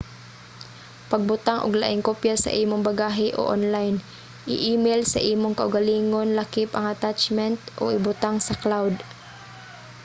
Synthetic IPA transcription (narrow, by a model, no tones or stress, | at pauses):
pɐɡ̚bʊt̪aŋʔo̰ɡla̰ʔɪŋkopjasɐ̰ʔiːmoŋbaɡaːɦɪʔo̰ʔonlajn | ʔɪ̰ʔiːmɛlsɐʔiːmoŋkɐʔʊɡɐliːŋonlakɪpɐŋʔɐt̪at͡ʃmɛnt̪ʔo̰ʔɪbʊt̪aŋsɐklawd̪